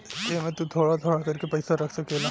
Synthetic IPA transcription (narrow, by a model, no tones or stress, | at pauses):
kemɛ̃t̪ut̪ʰoːɽat̪ʰoːɽakɐɾkepɐɪsaɾɐkʰsɐkelaː